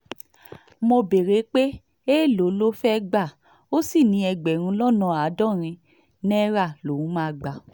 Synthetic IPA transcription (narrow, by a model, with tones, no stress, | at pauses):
mo˧be˨ɾe˨˦k͡pe˦ | e˦˨lo˨˦lo˦fɛ˦ɡ͡ba˦˨ | o˦si˦˨nĩ˨˧˦ɛ˧ɡ͡bɛ˨ɾ̃ũ˧˦lɔ˦nã˧˨a˨˦dɔ̃˦˨ɾ̃ĩ˧ | nɛ˦ɾa˦˨lo˨ũ˨˦mãː˦˧ɡ͡ba˨